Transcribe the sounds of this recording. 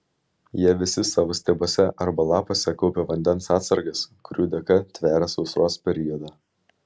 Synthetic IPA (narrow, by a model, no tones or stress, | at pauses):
jiɛʋʲɪsʲɪsɑːʋoːsʲt̪ʲeːboːsʲɛʔɐɾbɐlˠɑːpoːsʲɛkɔʊpʲeʋɐnʲd̪ʲɛnsɑːt̪sɐɾɡɐskʊɾʲuːd̪ʲɛkɐt̪ʲʋʲæːɾɐsɒʊsɾoːspʲɛɾʲɪjɔd̪ɑː